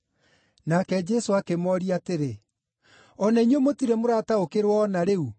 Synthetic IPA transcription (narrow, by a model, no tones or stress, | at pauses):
nakɛd͡ʒɛsoakemɔɾiateɾe | ɔnainwemotiɾemoɾaːtaokeɾwɔnaɾeu